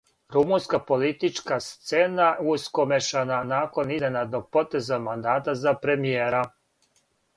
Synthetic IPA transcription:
ɾumunskapo̞lit̪it͡ʃkast̪senauskomeʃananaːko̞nizenad̪noɡ̚po̞t̪e̞zamand̪aːt̪azapɾemijeːɾa

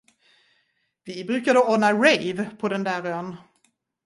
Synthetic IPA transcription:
vɪbɾʉ̟ːkad̪əɔɳaɾɛjvpʰɔd̪ɛnd̪æːɾœn

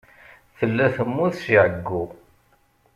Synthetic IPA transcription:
θəlːæθəmːʊθʃiʕəɡːʊ

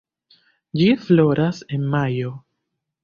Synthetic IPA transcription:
d͡ʒiflo̞ɾase̞nmajo̞

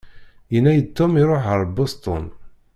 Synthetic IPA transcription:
jənːæjət̪ːomiɾˤoħəɾˤbost̪ˤɔ̰n

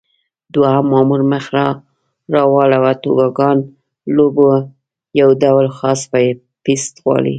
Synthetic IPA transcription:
d̪wahamːɑmuɾməxɾɑ | ɾɑwɑlawat̪obɑɡɑn | lobo | jawd̪awlxɑspaje | pist̪ɣwɑ̰lḭ

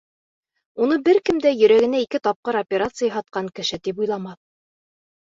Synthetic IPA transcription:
unɤbɘɾkɘ̆md̪æjɵ̆ɾæɡɘ̆næikɘt̪ɑp̚qɤɾopʲeɾat̪sɨjɑɦɑt̪̚qɑŋkɘ̆ʃɘt̪ipujlˠɑmɑθ

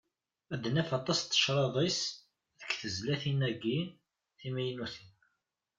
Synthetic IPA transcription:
æd̪ənæfɑt̪ˤːɑst̪ːə̥ʃɾˤɑðˤis | ðəkːθəzlæθinæɡi | θimæjənuθin

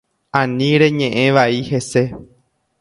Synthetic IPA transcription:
ãnĩɾe̞ɲẽʔẽ̞ʋaihe̞se̞

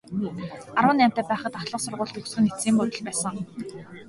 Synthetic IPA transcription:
aɾwə̆næːm̥t̪æːpæːχə̆t̪aɮə̆qsʊrʁʊːɮt̪ɵxsɘ̆net͡siːmpʊt̪ə̆ɮpæːsə̆ŋ

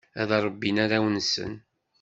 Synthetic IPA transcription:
æðɾˤəbːinaɾawənsə̰n

